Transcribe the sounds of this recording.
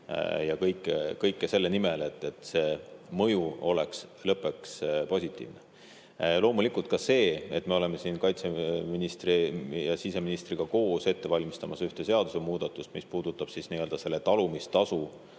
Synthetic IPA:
jɑkɤjkˑːekɤjkːese̞lːenimele̞t̪ːˑe̞t̪se̞ːmɤjuo̞le̞kslɤpːˑe̞kspo̞sʲit̪ˑːḭːvne | lo̞ːmulikult̪̚kɑse̞ːe̞t̪ːˑme̞ole̞me̞siːnkɑjt̪se̞minist̪rijɑsise̞minist̪riɡ̥ɑko̞ːse̞t̪ːe̞vɑlʲmist̪ɑmɑsyht̪e̞se̞ɑd̪̥use̞muːd̪̥ɑt̪ːˑust̪mispuːd̪̥ut̪ːˑɑb̥sisniø̞ld̪̥ɑse̞lːet̪ɑlumist̪ɑsu

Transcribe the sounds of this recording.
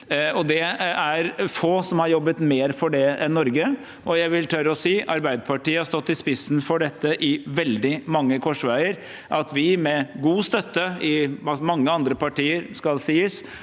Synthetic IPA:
ɔd̪ɛæɾfoːsɔmhɑɾjɔbːət̪meːɾfɔɖɛɛnːɔɾɡə | ʔɔjæɪʋɪlt̪ʰœɾɔsiːʔɑɾbæɪd̪əpʰɑʈiːhɑɾʂst̪ɔt̪ːɪspɪsn̩fɔɖɛt̪ːəʔɪʋɛld̪ɪmɑŋːəkʰɔʂʋæɪəɾ | ʔɑt̪ʋɪmɛɡuːst̪œt̪ːəɪmɑmɑŋːəɑnd̪ɾəpɑʈiːəɾskɑlsiːəs

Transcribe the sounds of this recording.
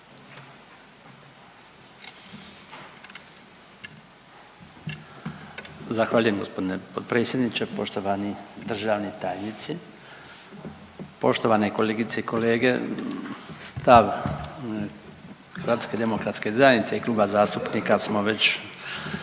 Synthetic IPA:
zaxʋaːʎuje̞mɡospo̞d̪inepo̞d̪t̪̚pɾe̞ːsjed̪nit͡ʃepo̞ʃt̪o̞ʋanid̪r̩ʒaʋnit̪aːjnit̪si | po̞̰ʃt̪o̞ʋane̞ko̞leːɡit̪se̞iko̞le̞ːɡe̞ | st̪aʋ | ɡɾat̪ske̞d̪emo̞kɾat̪ske̞zajed̪nit̪se̞iklˠuːbazaːst̪upnikasmo̞ʋe̞t͡ɕ

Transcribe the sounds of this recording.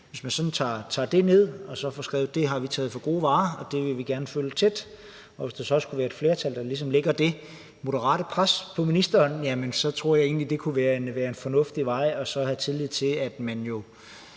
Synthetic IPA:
ʋe̝smænsɒ̽nt͡sʰɑ̰̈ːt͡sʰɑ̰̈ːd̥e̝ne̝ð̞̰ˠɒ̽sɒ̽fɒ̰ːsɡ̥ʁɛ̰ːʊd̥e̝ɦɑ̈ʋit͡sʰɛːð̩ˠfɒ̽ɡ̥o̝̰ːʋɑ̈ːɒ̽d̥e̝ʋe̝ʋiɡ̥æɐnəføljət͡sʰed̥ | ɒ̽ʋe̝sd̥esɒ̽ɒskʰuʋæːɐed̥fle̝ːɐt͡sʰæl̰d̥ɑ̈lisɒ̽mleɡ̥ɐd̥e̝ | mo̝ɾəʁɑ̰̈ːɾ̥əpʰʁaspʰɒ̽minisd̥ɐːnjæmənsɒ̽t͡sʰʁo̝ɐ̰jɑ̈e̝ːnlid̥e̝kʰuʋæːɐʋæːɐe̝nfɒ̽nɔ̽fd̥iʋɑ̈ɪ̰ɒ̽sɒ̽hæt͡sʰe̝lið̰ˠt͡sʰe̝læd̥mænjo̝

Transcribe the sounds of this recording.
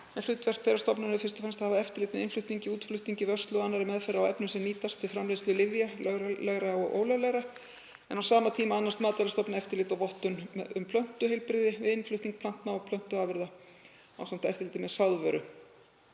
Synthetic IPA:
ɛn̥ʏt̪vɛr̥kfɛjɾast̪ɔpnʏnɪfɪr̥st̪ʏfɾɛnmst̪ahavaɛft̪ɪɾlɪːt̪nɪɪnflʏht̪niɲcɪuːt̪flʏht̪iɲcɪvœst̪lʏanːaɾɪmɛðfɛjɾawɛpnʏnsɛmniːt̪ast̪vɪðfɾamleːslʏlɪvjallɛɣɾaɔʔo̰ːwlɛlɛɣɾa | ɛnawsaːmat̪ʰiːmaanːast̪maːt̪valast̪ɔpnɪɛft̪ɪɾlɪːt̪awvɔht̪ʏnʏmpʰl̥œn̥t̪ʏhejlpɪɾðɪvɪðɪnflʏht̪iŋk̚plan̥t̪naɔpʰlœn̥t̪ʏavɪɾða | a̰wsam̥t̪aɛft̪ɪɾlɪːt̪ɪmɛðsawðvœːɾʏ

